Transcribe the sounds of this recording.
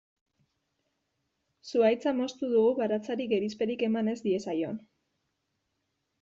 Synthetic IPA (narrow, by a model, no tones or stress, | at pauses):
suajt͡samo̞st̪uðuɣuɣaɾat͡saɾiɣe̞ɾispe̞ɾike̞mane̞zd̪ie̞sajo̞̰n